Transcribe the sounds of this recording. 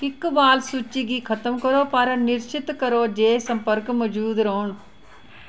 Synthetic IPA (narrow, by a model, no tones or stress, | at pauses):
ɪkːbaːlsut͡ʃːiɡikʰɐt̪əmkɐɾoːpɐɾnɪɾt͡ʃɪt̪kɐɾoːd͡ʒeːsɐ̃mpəɾkmɐd͡ʒuːd̪ɾoɦʊɳ